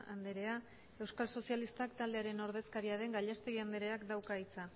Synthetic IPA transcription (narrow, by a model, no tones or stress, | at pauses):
and̪e̞ɾe̞a | e̞wskalso̞sialist̪akt̪ald̪e̞aɾe̞no̞ɾð̞e̞skaɾiaɾe̞ŋɡaʎast̪e̞ɣiand̪eɾe̞akd̪awkait͡sa